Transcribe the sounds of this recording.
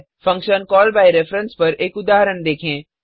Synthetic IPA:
fɐ̃ŋkʃənkɔːlbaːiɾefɾə̃nspɐɾeːkʊd̪aːɦəɾənd̪eːkʰẽː

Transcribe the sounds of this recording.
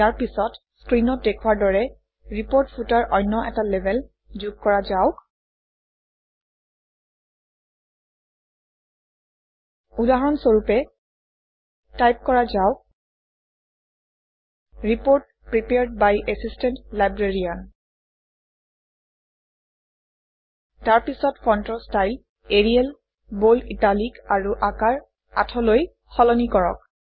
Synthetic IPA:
jaɹpisɔt | skɹinɔt̚dekʰwaɹdɔɹɛ | ɹipoɹtpʰutaɹʔɔjnːɔʔɛtalɛbʱɛl | d͡ʒuɡ̚kɔɹazaʊk | udaɦɹɔnsoɹupɛ | tajp̚kɔɹazaʊk̚ | ɹipoɹt̚pɹipeɹd̚bajʔɛsistɛntlajbɹeɹian | taɹpisɔtfɔntɹɔstajl | eɹiɛl | bolitalikaɹuʔakaɹ | a̰tʰɔloj | xɔlɔnikɔɹɔ̰k̚

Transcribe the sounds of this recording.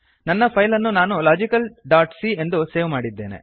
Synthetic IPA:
nɐnːɐpʰɐjlɐnːunaːnulaːd͡ʒikɐlɖaːɾʈsie̞nd̪use̞ːʋmaːɽid̪ːeːnḛ

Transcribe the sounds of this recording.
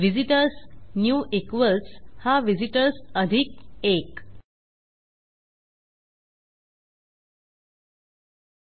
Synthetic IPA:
ʋid͡ʑiʈəɾsnjuːʔekʋəlshaʋid͡ʑiʈəɾsəd̪ʱik̚ek

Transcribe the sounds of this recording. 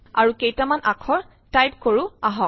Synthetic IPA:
aɹukejtamanʔakʰɔɹ | tajp̚koɹʊaɦɔk̚

